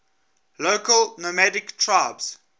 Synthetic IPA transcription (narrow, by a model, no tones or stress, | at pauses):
loʊkəlnomædɪktʰɹaɪbz̥